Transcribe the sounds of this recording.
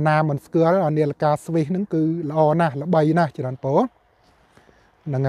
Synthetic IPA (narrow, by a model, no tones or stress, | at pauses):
naːmɨnskuəlʔəniəlakaːsʋihnɨŋkɨːlə̆ʔɑːnahlə̆ɓəjnaht͡ɕraənpoːl | nɨŋ